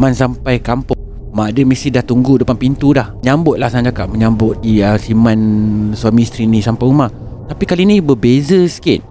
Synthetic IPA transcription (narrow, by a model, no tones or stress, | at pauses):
mansampajkampʊŋ | madəmisidaht̪uŋɡudəpanpint̪udahɲambʊt̪̚lahsaãd͡ʒakaʔ̚məɲambʊt̪̚diəsimanswamĩst̪ɾinĩsampajumah | t̪apikalinĩbəbezəskɪt̪̚